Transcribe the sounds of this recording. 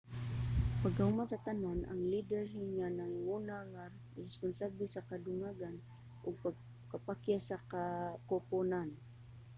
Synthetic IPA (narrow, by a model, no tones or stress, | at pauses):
paɡkahʊmansat̪ananʔa̰ŋlid̪ɛɾɪɲanaŋŋunaŋa | ɾɛspʊnsablɪsakad̪ʊŋaɡan | ʔʊɡ̚paɡ̚ | kapakjasakakoponan